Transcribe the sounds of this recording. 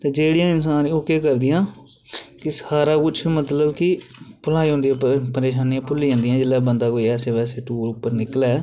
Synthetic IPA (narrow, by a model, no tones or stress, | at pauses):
t̪eːd͡ʒeːɽɪjãːɪns̬aːniʊkeːkəɾd̪ɪjãː | kɪsaːɾaːkʊt͡ʃʰmət̪ləbkɪpəlaːiːɦõːnd̪ĩːpəɾeːʃaːnijãːpʊliːãːnd̪ijãːd͡ʒɪlːɛːbənd̪aːkoːiɛːseːʋɛːseːʈuːɾʊpːəɾnɪkəlɛː